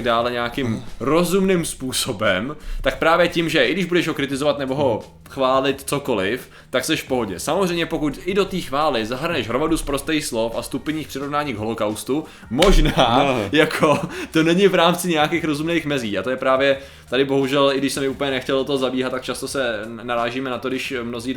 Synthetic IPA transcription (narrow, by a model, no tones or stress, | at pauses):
ɡ̚daːlɛɲɛjakɪmɾo̞zumnɪmspuːsobɛmt̪ak̚pɾaːvjɛcɪmʒɛʔɪɡdɪʒbudɛʒɦo̞kɾɪt̪ɪzovat̪nɛbo̞ɦo̞ | xvaːlɪt̪t͡so̞ko̞lɪf | t̪aksɛʃfpo̞ɦo̞ɟɛ̰samozr̝ɛjmɲɛpo̞kut̪ʔɪdo̞t̪iːxvaːlɪzaɦr̩nɛʃɦɾomaduspɾo̞st̪ɛjxslo̞fa̰st̪upɛɲiːxpr̥ɪɾo̞vnaːɲiːɡɦolo̞kawst̪u | mo̞ʒnaːjakʰot̪o̞nɛɲɪvɾaːmt͡sɪɲɛjakeːxɾo̞zumneːxmɛziːat̪ojɛpɾaːvjɛ | t̪adɪbo̞ɦuʒɛlɪɡdɪʃsɛmɪʔuːpəɲɛnɛxcɛlʔot̪oɦozabiːɦat̪t̪ːak̚t͡ʃast̪osɛnaɾaːʒiːmɛnat̪odɪʃmno̞ziː